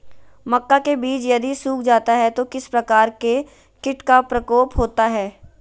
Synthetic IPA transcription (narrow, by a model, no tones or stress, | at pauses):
mɐkːakebiːt͡ʃjɐd̪isuːkʰd͡ʒaːt̪aɦɛt̪okɪspɾɐkaːɾke | kɪʈkapɾɐkoːpɦoːt̪aɦɛː